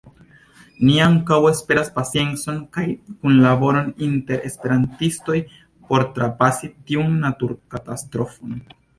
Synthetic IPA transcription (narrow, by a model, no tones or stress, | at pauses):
niaŋkawespe̞ɾaspasije̞nt͡so̞nkajkunlabo̞ɾo̞ninte̞ɾʔe̞̰spe̞ɾantisto̞j | po̞ɾtɾapasitiunːatuɾkatastɾo̞fo̞n